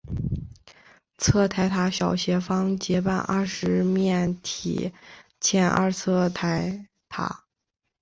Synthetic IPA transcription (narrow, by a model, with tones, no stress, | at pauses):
t͡sʰɤ˥˩t̪ʰa˧˥ɪt̪ʰa˧˥ɕjɑ˨˩ʊɕjɛ˧˥fɑ˥ŋt͡ɕjɛ˧˥pa˥˧nʔɐ̰˞˥˧ʂɻ̩˧˥mjɛ˥˩nt̪ʰḭ˨˩t͡ɕʰjɛ˥nʔa̰˥˧t͡sʰɤ˥˧t̪ʰa˧˥ɪ | t̪ʰa̰˧˥